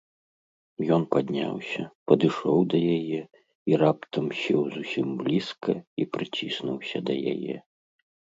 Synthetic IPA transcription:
jɔnpad̪ʲnʲa̰wsʲɐpɐd̪ɨʂɔwd̪ɐjajɛ | iɾapt̪ɐmsʲɛwzusʲimblʲiskɐipɾɨt͡sʲisnuwsʲɐd̪ɐja̰jɛ̰

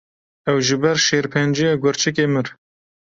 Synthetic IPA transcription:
ɛwʒɨbɛɾʃeːɾpʰɛnd͡ʒijɑɡʷʊɾt͡ʃʰɨk̬eːmɨɾ

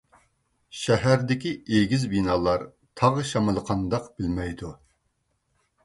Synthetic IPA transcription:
ʃɛɦæɾd̪ɪkʲieɡʲizbinɑːlˠɑɾ | t̪ʰɑʁəʃɑmɨlˠəqʰɑnd̪ɑqb̥ɪlmɛjd̪u

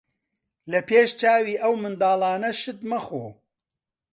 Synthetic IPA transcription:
lɐpʰeːʃt͡ʃaːwiːʔɐwmɨnd̪aːlɑːnɐʃɨt̪mɐxoː

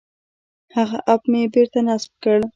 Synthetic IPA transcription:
haɣaʔapmebeɾt̪anasb̚kəɽ

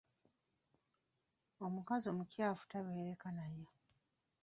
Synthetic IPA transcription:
omukazomucjaːfu̥taβe̞ːɾekanajo

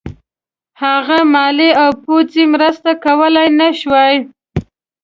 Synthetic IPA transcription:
haɣamɑleawpot͡simɾəst̪akawəlajnaʃwaj

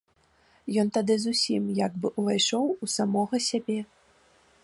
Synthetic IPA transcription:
jɔnt̪ad̪ɨzusʲimjaɡbɨʔuvajʂɔwusamɔɣɐsʲabʲɛ

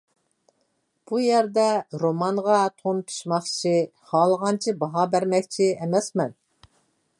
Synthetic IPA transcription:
b̥ujɛɾd̪ɛɾomɑŋʁɑt̪ʰonpʰi̥ʃmɑχt͡ʃʰihɑːlˠəʁɑnt͡ʃʰibɑɦɑbæɾmɛkʲt͡ʃʰiɛmɛsmɛn

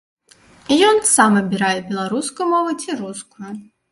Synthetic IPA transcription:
ijɔnsamɐbʲiɾajɛbʲɛlˠaɾuskʊjumɔvɨt͡sʲiɾuskʊjʊ

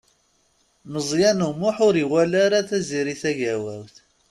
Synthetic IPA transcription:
məzˤjænumʊħʊɾiwælaɾaθæziɾiθæʝæwæ̰wθ

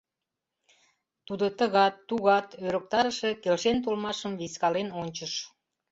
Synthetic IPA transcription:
t̪ud̪ət̪əɣɑt̪ːuɣɑt̪øɾək̚t̪ɑɾəʃe̽kelʃent̪̬olmɑʃəmviskɑlenonʲt͡ɕəʃ

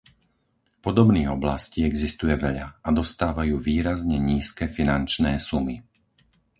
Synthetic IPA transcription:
pɔd̪ɔbniːɣɔblasciːɛɡzist̪ujɛʋɛʎaad̪ɔst̪aːʋajuːʋiːɾazɲɛɲiːskɛfinant͡ʃnɛːsumi

